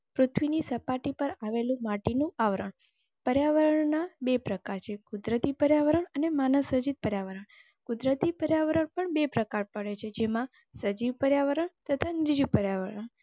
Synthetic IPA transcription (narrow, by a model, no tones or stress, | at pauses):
pɾʊt̪ʰʋinisəpaʈipəɾaʋelũmaʈinũaʋɾəɳ | pəɾjaʋəɾəɳnabepɾəkaɾt͡ʃʰekʊd̪ɾət̪ipəɾjaʋəɾəɳənemanəʋsəd͡ʒit̪̚pəɾjaʋəɾəɳ | kʊd̪ɾət̪ipəɾjaʋəɾəɳpəɳbepɾəkaɾpəɽet͡ʃʰed͡ʒemã | səd͡ʒiʋpəɾjaʋəɾəɳt̪ət̪ʰanɪɾd͡ʒupəɾjaʋəɾəɳ